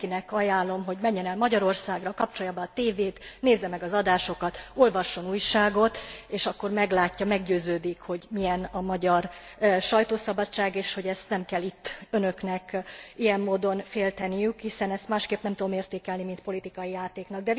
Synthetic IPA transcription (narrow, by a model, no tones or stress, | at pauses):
inɛkɒjaːlːo̞mɦo̞ɟmɛɲːɛnɛlmɒɟɒɾo̞rsaːɡrɒkɒpt͡ʃojabɒːt̪eːveːt̪neːzːɛmɛɡɒzɒd̪aːʃo̞kɒt̪o̞lvɒʃːo̞nuːjʃaːɡo̞t̪eːʃɒkːo̞rmɛɡlaːcːɒmɛɡɟøːzøːd̪ikho̞ɟmijɛnɒmɒɟɒr | ʃɒjt̪oːsɒbɒt͡ʃːaːɡeːʃho̞ɟɛst̪nɛmkɛlːit̪ːønø̞knɛkijɛmːoːd̪o̞nfeːlt̪ɛnijykhisɛnɛst̪maːʃkeːpnɛmt̪ud̪omeːrt̪eːkɛlnimint̪po̞lit̪ikɒjijaːt̪eːknɒɡ̚d̪ɛ